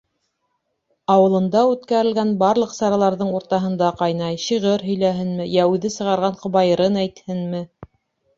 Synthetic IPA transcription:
ɑwɤ̆lˠɤ̆nd̪ɑʉt̪kæɾɘ̆lɡænbɑɾlˠɤqsɑɾɑlˠɑɾðɤɴuɾt̪ɑɦɤ̆nd̪ɑqɑjnɑjʃiʁɤɾɦɵ̆jlæɦɘnmɘjæʉðɘsɤ̆ʁɑɾʁɑɴqŏβɑjɤ̆ɾɤnæjt̪hɘnmɘ

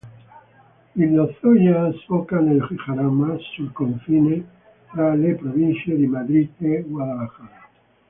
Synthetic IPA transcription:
ilnoθojasfokaneloxexaɾamasːulkoɱfine | t̪ɾalepɾoβinθjeðemaðɾiteɡwaðalaxaɾa

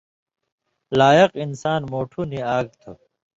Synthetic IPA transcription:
laːjɐqinsaːnmoːʈʰuniaːɡ̚t̪ʰo

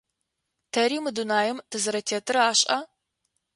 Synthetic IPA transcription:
tʰɐɾiːmɨdunaːjɛmtʰɨzɨɾɐtʰeːtʰɨɾɐaːɕʼɐ

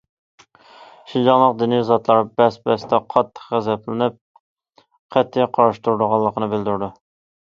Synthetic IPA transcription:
ʃind͡ʒɑŋlˠəqd̪ynijzɑt̪lˠɑɾbɛsbɛst̪ʰɛqʰɑt̪ʰːə̥qχæzɛplɪnɪp̚ | qʰɛt̪ʰːɪjqʰɑɾɑʃt̪uɾd̪ʊʁɑlˠːəqənɨbɪld̪uɾd̪u

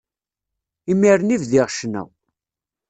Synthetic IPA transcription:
imiɾnivðɪʁʃnæ̰w

